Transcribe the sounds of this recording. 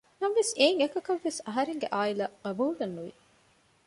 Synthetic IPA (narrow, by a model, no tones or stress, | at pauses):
nɐmʋeseːŋekɐkɐʋːesɐɦɐɾeŋɡeʔaːilɐɡɐbuːlɐnːuʋi